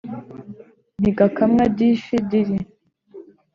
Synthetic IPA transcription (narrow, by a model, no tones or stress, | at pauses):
n̥iɡakamŋabɟiʃidiɾi